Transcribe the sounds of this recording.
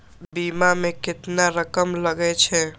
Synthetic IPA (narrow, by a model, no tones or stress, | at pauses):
bimamekɪt̪naɾəkəmləɡɛt͡ʃʰɛ